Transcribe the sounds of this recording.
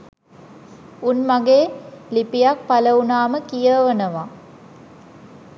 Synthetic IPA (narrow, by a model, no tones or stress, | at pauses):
unmaɡeːlipijak̚paləunaːməkijəʋənəʋa